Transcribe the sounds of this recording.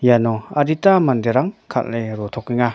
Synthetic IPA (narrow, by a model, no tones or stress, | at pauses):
janɔaɾitamandeɾaŋkʰa̰t̚lajɾɔt̪ʰɔkiŋa